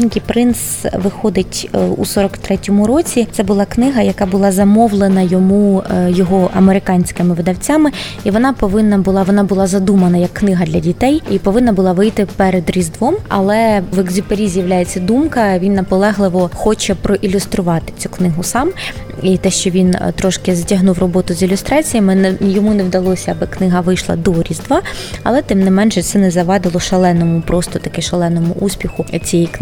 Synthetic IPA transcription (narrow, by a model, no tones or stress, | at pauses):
inkijpɾɪns | ʋɪxɔd̪ɪtʲṵsɔɾɔkt̪ɾɛtʲɔmʊɾɔt͡sʲit̪sɛbʊlˠɑknɪɦɐjɐkɑbʊlˠɑzɐmɔʋlˠenɐjɔmujɔɦɔʔɐ̰meɾɪkɑnʲsʲkɪmɪʋɪd̪ɐwt͡sʲamɪ | iʋɔnɑpɔʋɪnːɐbʊlˠɑʋɔnɑbʊlˠɑzɐd̪umɐnɐjɐkːnɪɦɐd̪lʲɐdʲit̪ɛjipɔʋɪnːɐbʊlˠɑʋɪjt̪ɪpɛɾed̪ɾʲizd̪ʋɔmɐ̰lˠɛʋɛɡzʲʊpeɾʲizʲjɐʋlʲajet͡sʲːɐd̪umkɐʋʲinːɐpɔlˠɛɦlˠɪʋɔxɔt͡ʃɛpɾɔʔilʲʊst̪ɾʊʋɑt̪ɪ̥t͡sʲu̥knɪɦʊsɑm | it̪ɛʃt͡ʃɔʋʲint̪ɾɔʃkɪzɐtʲɐɦnuwrɔbɔt̪ʊzilʲʊst̪ɾɑt͡sʲijɐmɪnjɔmunewd̪ɐlˠɔsʲɐɐbɪknɪɦɐʋɪjʃlˠɐ̰d̪ɔɾʲizd̪ʋɑɐ̰lˠɛt̪ɪmnɪmɛnʒɛsɛnɛzɐʋɑd̪ɪlˠɔʃɐlˠɛnɔmʊpɾɔst̪ɔt̪ɐkɛʃɐlˠɛnɔmʊʔusʲpʲixʊt͡sʲijɛjk